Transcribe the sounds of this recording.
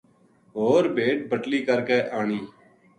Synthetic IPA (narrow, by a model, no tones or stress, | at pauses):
ɦoːɾbʱeːʈ̚bʱəʈliːkəɾkeːʔaːɳiː